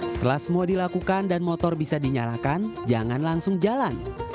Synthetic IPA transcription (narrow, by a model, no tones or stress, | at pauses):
sə̥t̪əlahsəmɔdilakukandanmɔt̪ɔrbisadiɲalakand͡ʒaŋanlaŋsʊŋd͡ʒalan